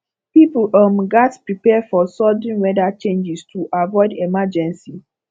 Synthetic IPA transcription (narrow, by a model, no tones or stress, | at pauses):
pipl̩ɔ̃mɡatpɹipɛfɔsɔdĩnwɛdat͡ʃẽnd͡ʒistuʔavɔɪdemad͡ʒɛ̃nsi